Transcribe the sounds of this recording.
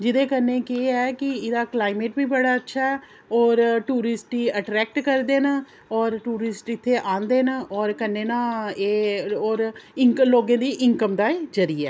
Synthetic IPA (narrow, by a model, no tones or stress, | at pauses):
d͡ʒɪd̪ẽːkənːẽːkeːɛːkɪɪd̪aːklaːɪmeːʈbiːbəɽaːətːʃʰaːɛː | ɔːɾʈuːɾɪsʈiːəʈɾɛːk̚ʈkəɾd̪eːnaː | ɔːɾʈuːɾɪsʈɪt̪ʰːeːʔãːnd̪eːnaːʔɔːɾkənːeːnãːeːɔːɾɪŋkloːɡẽːd̪iːʔɪŋkəmd̪aːeːd͡ʒəɾiɛ̰ː